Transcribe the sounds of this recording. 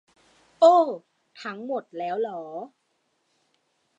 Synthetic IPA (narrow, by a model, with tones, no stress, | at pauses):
ʔɤː˧˩ | t̪ʰa˦˥ŋmo˨˩t̪̚lɛː˦˥wlɔː˦˥